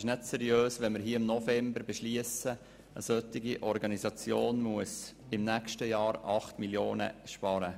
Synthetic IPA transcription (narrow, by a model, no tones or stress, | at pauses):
ɪʃnɛtsɛɾjøːsʋɛnmɪɾɦiəɪmnɔfɛmbəɾbɛʃliəsə | əsœt̪ɪɡiʔɔɾɡɑnizɑt͡sjoːnmuəsɪmnækʃtəjɑːɾɑχtmiljoːnə̰ʃpɑɾə